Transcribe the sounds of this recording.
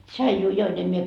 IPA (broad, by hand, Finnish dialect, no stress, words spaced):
tʃɑijuː join em mie